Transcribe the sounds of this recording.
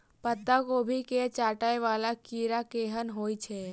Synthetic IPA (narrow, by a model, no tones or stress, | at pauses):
pət̪ːakoːbʱiket͡ʃaːʈaeʋaːlakiːɾakeːɦənɦoːjt͡ʃʰe